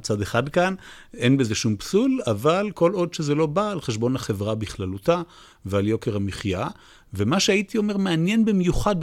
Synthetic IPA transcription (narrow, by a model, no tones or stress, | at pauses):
t͡sad̪eχad̪kane̞nbeze̞ʃumpsulavalko̞lo̞d̪ʃezelo̞baːlχeʃbo̞nhaχe̞vʁabiχlaluta | vealjo̞keʁhamiχja | vemaʃeait̪io̞me̞ʁmeanje̞nbemjuχad̪̚